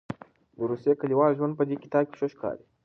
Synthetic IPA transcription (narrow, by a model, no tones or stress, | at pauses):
d̪əɾusjekaliwɑːlʒwand̪pəd̪eki̥t̪ɑːb̚kʲi̥ʃoʃkɑ̰ːɾi